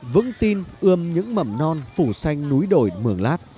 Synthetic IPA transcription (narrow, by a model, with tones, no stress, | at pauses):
vɨ̰˧˥ŋt̪i˧nʔɨ˧əmɲɨ̰˧˥ŋmə˧˩mnɔ˧nfu˧˩sa˧jŋ̟nu˨˦jɗo˧˨˩jmɨ˧˩əŋlaː˦˥t̚